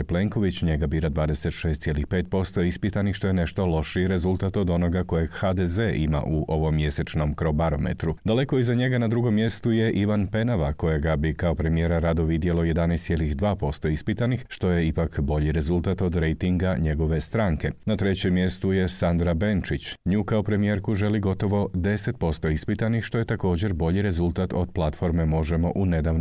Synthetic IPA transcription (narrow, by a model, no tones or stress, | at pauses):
ple̞ŋko̞ʋit͡ɕɲe̞ɡabiːɾad̪ʋaːd̪e̞se̞t̪ʃe̞ːst̪sje̞lixpeːt̪̚po̞st̪o̞ispit̪anixʃt̪o̞jene̞ʃt̪o̞lˠo̞ʃiɾe̞zulˠt̪at̪o̞d̪o̞no̞ɡako̞je̞ɡxad̪ezeʔima̰ʔuʔo̞ʋo̞mːje̞se̞t͡ʃno̞mkɾo̞baɾo̞mḛt̪ɾud̪ale̞ko̞izaɲe̞ɡanad̪ɾuɡo̞mːje̞st̪uje̞ʔiʋanpe̞naʋako̞jeɡabikao̞pɾe̞mijeɾaɾad̪oʋid̪jelo̞je̞d̪anɛst̪sʲje̞lixd̪ʋaːpo̞st̪o̞ispit̪anixʃt̪o̞je̞ipakbo̞ʎiɾe̞zulˠt̪at̪o̞d̪ɾejt̪iŋɡaɲe̞ɡo̞ʋe̞st̪ɾaːŋke̞nat̪ɾe̞t͡ɕemːje̞st̪uje̞sand̪ɾabent͡ʃit͡ɕɲuːkaopɾe̞mije̞ɾkuʒe̞liɡo̞t̪o̞ʋo̞d̪e̞set̪̚po̞st̪o̞ispit̪anixʃt̪o̞je̞t̪ako̞ːd͡ʑe̞ɾbo̞ʎiɾe̞zulˠt̪at̪o̞d̪̚plˠat̪fo̞ɾme̞mo̞ʒemo̞̰ʔune̞d̪aʋn